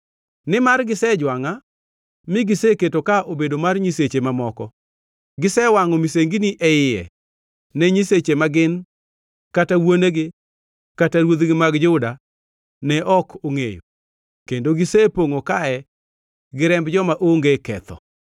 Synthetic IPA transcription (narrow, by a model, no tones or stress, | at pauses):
nɪmarɡɪsɛd͡ʒwaŋa | mɪɡɪseketokaʔobedomarɲiset͡ʃemamɔkɔ | ɡɪsɛwaŋɔmiseŋɡiniʔɛɪjɛ̰ | nɛɲiset͡ʃemaɡɪn | katawoneɡɪ | kataɾwod̪ɡɪmaɡd͡ʒʊda | nɛʔɔkʰoŋejo̰ | kendoɡɪsepoŋokaɛ | ɡɪɾɛmbd͡ʒɔmaʔoŋɡekɛ̰t̪ɔ̰